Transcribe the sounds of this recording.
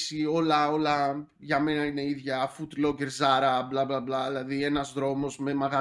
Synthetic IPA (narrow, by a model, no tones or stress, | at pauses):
sio̞lɐo̞lɐ | ʝɐme̞nɐine̞iðʝɐfut̪lo̞ceɾzɐɾɐblɐblɐblɐðilɐðie̞nɐzðɾo̞mo̞zme̞mɐɣɐ